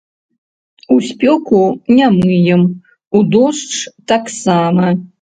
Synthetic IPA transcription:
usʲpʲɔkunʲamɨjɛm | ud̪ɔʂt͡ʂt̪aksamɐ

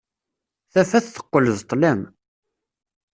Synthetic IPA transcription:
θæfæθθə̥qːələzt̪ˤːlæm

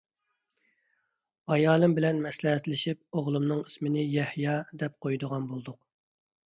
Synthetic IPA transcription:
ɑjɑːlˠɨmbɪlɛnmɛslɛɦɛt̪lɪʃip̚oʁlˠumnɨŋismɪnɪjɛhjɑd̪ɛp̚qʰojd̪əʁɑnbolˠd̪ʊq

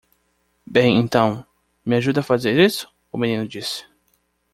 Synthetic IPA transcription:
bẽj̃ẽnt̪ɐ̃w̃ | mɪaʒud̪ɐfazeɾisʊ̥ | ʊmenĩnʊd͡ʒisɪ̥

